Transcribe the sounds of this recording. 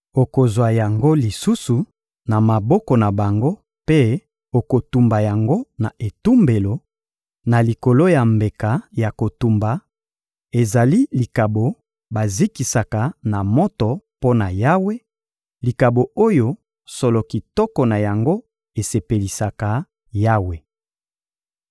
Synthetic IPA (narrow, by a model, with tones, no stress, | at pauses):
o˨ko˨zwa˨ja˨ŋɡo˦li˨su˦su˨ | na˨ma˨bɔ˦kɔ˨na˨ba˨ŋɡo˦ | pe˦ | o˨ko˨tu˨mba˨ja˨ŋɡo˦na˨e˨tu˦mbe˨lo˨ | na˨li˨ko˨lo˦ja˨mbe˨ka˨ja˨ko˨tu˨mba˨ | e˨za˨li˦li˨ka˨bo˨ | ba˨zi˦ki˨sa˨ka˨na˨mo˦tɔ˨po˦na˨ja˦we˦ | li˨ka˨bo˨o˦jo˨˦ | so˨lo˨ki˨tɔ˦kɔ˨na˨ja˨ŋɡo˦ | e˨se˨pe˨li˨sa˨ka˨ | ja˦we˨